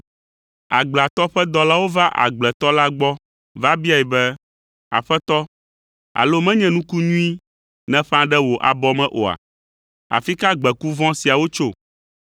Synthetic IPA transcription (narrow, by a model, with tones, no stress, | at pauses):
a˨ɡ͡bla˨t̪ɔ˦ɸɛ˦d̪ɔ˦la˦wo˦va˦ʔa̰˨ɡ͡blɛ˨t̪ɔ˦la˦ɡ͡bɔ˦ | va˦bi˦a˨ɛ˨bɛ˦ | a̰˨ɸɛ˦t̪ɔ˦ | a̰˨lo˦mɛ̃˦ɲɛ̃˦nũ˦ku˦ɲũ˦i˦ | nɛ̃˦ɸã˦ɖɛ˦wo˨ʔa̰˨bɔ˦mɛ̃˦ʔo˨a̰˨ | a̰˨fi˦ka˦ɡ͡bɛ˨ku˦vɔ̃˦si˨a˨wo˦t͡ʃo˦˨